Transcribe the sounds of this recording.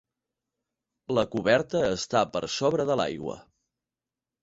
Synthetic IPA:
ləkuβɛɾt̪əːst̪apəɾsoβɾəðəla̰jɣwə̰

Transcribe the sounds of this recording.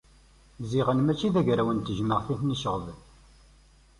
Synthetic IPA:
ziʁənmæt͡ʃːiðæʝɾæwənt̪əʒməʁθiθniʃəʁəð

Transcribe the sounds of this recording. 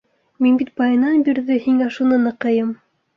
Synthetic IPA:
minbit̪̚bɑjɤ̆nɑnbiɾðɘhiŋæʃunɤnɤ̆qɤ̆jɤm

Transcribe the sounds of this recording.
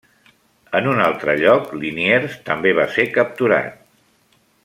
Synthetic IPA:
ənunalˠt̪ɾəʎɔklinieɾst̪əmbeβ̞asekəp̚t̪uɾa̰t̪̚

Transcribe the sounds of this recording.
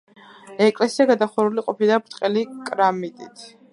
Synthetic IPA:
ɛkʼlɛsiaɡad̪aχuɾuliqʼɔpid̪abɾt̪ʼqʼɛlikʼɾamit̪ʼit̪ʰ

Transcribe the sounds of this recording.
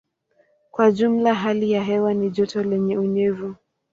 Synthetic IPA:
kwaʄum̩laɦalijaɦɛwaniʄɔtɔlɛɲɛuɲɛvu

